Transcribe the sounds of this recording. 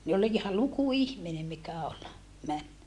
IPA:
ne ol ihɑ luku ihmine mikæ ol mæn

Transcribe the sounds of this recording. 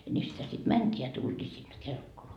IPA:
jɑ niː sitæ sit mæntʲiː jɑ tultʲiː sinːe kelkːoloɑ

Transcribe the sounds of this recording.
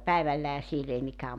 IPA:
pæiʋælːæhæ siel ei mikæː

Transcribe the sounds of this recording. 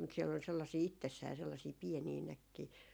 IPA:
mut siɛl ol selːɑsiː itːesːæː selːɑsiː pieniː nækːiː

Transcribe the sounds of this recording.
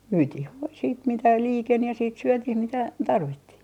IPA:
myːtih ʋoi siːt mitæ liːken jɑ siːt syøtiːh mitæ tɑrʋitːih

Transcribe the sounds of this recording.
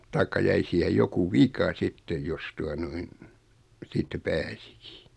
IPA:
tɑikːɑ jæi siːhej joku ʋikɑ sitːej jos tuɑ noin siːtːæ pæːsi̥ki̥

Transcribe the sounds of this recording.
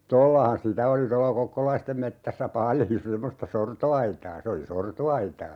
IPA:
tolːɑhɑn sitæ oli tolːɑ kokːolɑistem metːæsːæ pɑljo semːostɑ sortoɑitɑː se oli sortoɑitɑː

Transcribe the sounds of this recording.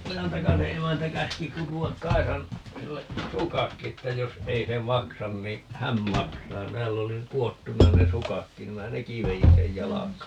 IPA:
ojɑntɑkɑse emæntæ kæski kutuɑk kɑisɑn silːe sukɑkːi etːæ jos ei se mɑksɑn ni hæn mɑksɑː tæːlː oli kuotːunɑ ne sukɑkːin ni minæ neki ʋejin sej jɑlɑkɑː

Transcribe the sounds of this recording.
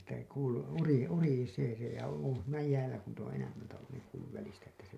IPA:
etːæ kuːlu uri uriseː se jɑ on̞ siːnæ jæːlæ ku niːt õː enæmːæltæ olːun niːŋ kuːlːuʋ ʋælistæ etːæ se

